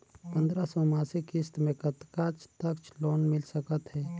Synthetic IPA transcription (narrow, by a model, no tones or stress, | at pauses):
pə̃nd̪ɾasɔmaːsikɪst̪mẽkət̪kat͡ʃʰt̪əkt͡ʃʰloːnmɪlsəkət̪ɦɛː